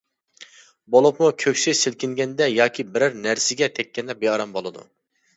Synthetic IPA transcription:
bolˠupmukʲʰøkʲsɪjsɪlkʲɪŋɡʲɛnd̪ɛjɑːkʲʰibɪɾɪɾnæɾsɪɡʲɛt̪ʰɛkʲʰːɛnd̪ɛbeɑɾɑmbolˠɨd̪ṵ

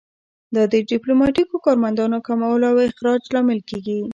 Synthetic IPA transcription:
d̪əd̪əɖiplomɑʈikokɑɾmand̪ɑnokamawəloawɪxɾɑd͡ʒlɑmɪlkeɡi

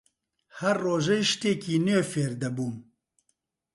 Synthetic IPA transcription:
hɛrːoːʒɛjʃt̪eːkiːnøːfeːɾd̪ɛbuːn

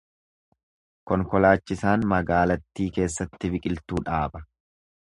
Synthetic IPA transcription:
kɔŋkɔlaːt͡ʃːɪsaːnmɐɡaːlɐt̪ːiːke̞ːsːɐt̪ːɪbɪkʼɪlt̪uːᶑaːbɐ

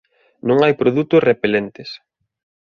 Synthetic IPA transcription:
nõŋajpɾoðut̪ʊsrepelent̪ɪs

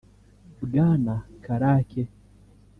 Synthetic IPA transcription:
uɡaːnakaɾaːkɛ

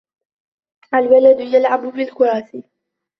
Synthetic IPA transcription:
ʔalwalad̪ʊjalʕabʊbɪlkʊɾˤɑːsi

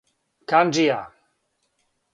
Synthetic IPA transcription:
kand͡ʒija

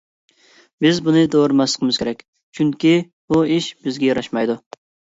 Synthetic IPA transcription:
bɪzbunɨd̪oːɾɨmɑsə̥qʰəmɨzkʲʰeɾɛkʲ | t͡ʃʰyŋkʲi | b̥uiʃbɪzɡʲɛjɑɾɑʃmɑjd̪u

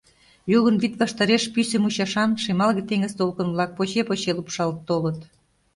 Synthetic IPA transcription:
juɣənβit̪βɑʃt̪ɑɾeʃpysəmuɕɑʃɑnʃemɑlɣet̪eŋə̆zt̪olkə̆nβlɑk̚pot͡ɕepot͡ɕelupʃɑlt̪ːolə̆t̪

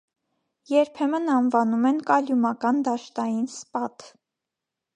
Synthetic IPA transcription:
jɛɾpʰɛmənɑnvɑnumɛnkɑljumɑkɑnd̪ɑʃt̪ɑjinspɑt̪

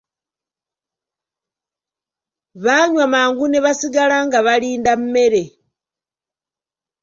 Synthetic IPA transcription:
βaɲwamaːŋɡuneβasiɡalaŋɡaβaliːndamume̞ɾe̞

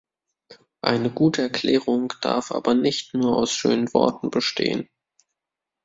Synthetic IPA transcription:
ʔa̰ɪnəɡuːtʰəɛɐklɛːʁ̞ʊŋd̥a̰ɐfʔa̰ːbɐnɪçtnuːɐaʊsʃøːnənvɔ̰ɐtn̩bəʃtʰeːən

